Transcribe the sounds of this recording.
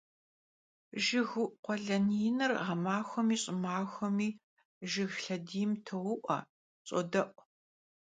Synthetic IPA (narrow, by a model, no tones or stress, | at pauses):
ʒɪɣʊʔqʷɔɮɐnijɪnɐrʁɐmaːxʷɔmiːɕʼɪmaːxʷɔmiː | ʒɪɣɬɐdiːjmtʰɐwʊʔʷʼɐ̰ | t͡sʼɔ̰dɐʔʷʼ